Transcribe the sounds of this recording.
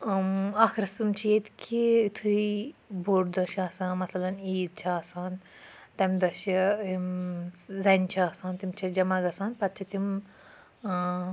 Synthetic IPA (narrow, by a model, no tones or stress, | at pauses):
akʰɾɐsɨmt͡ʃʰijet̪kʰiit̪ʰuibuʈd̪ɐʃɐːsãːmɐsɐlɐniːd̪̚t͡ʃʰiaːsaːn | t̪ɐmʲd̪ɐʃi | zɐnʲt͡ʃʰiaːsaːnt̪imt͡ʃʰid͡ʒɐmɐɡɐsaːnpɐt̪̚t͡ʃʰit̪im